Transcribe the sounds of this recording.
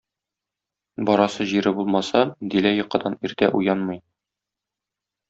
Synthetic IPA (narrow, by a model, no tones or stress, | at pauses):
bɒɾɑsɤʑiɾɘbulˠmɑsɑd̪ilæjŏqːɤ̆d̪ɑniɾt̪æʔujɑnmɤj